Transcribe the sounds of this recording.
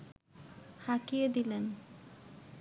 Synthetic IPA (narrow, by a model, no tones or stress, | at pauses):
hakijed̪ilen